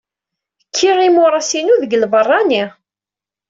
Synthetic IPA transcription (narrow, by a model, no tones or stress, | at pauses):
kʰːiʁimʊɾˤɑsinuðəɡəlvərˤːɑni